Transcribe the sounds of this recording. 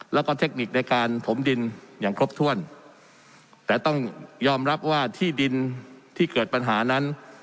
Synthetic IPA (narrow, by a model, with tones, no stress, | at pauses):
lɛː˦˥wkɔː˥˩t̪ʰe˦˥k̚ni˨˩k̚na˧jkaː˧nt̪ʰo˩˦mdi˧njaː˨˩ŋkʰɾo˦˥p̚t̪ʰu˥˩ən | t̪ɛː˨˩t̪ɔ˥˩ŋjɔː˧mɾa˦˥p̚waː˥˩t̪ʰiː˥˩di˧nt̪ʰiː˥˩kɤː˨˩t̪̚pa˧nɦaː˩˦na˦˥n